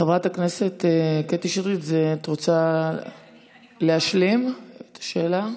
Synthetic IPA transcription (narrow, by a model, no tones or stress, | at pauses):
χevʁataknese̞t̪eketiʃidʁit̪zet̪ʁot͡sa | leaʃlimet̪ḁʃe̞ːla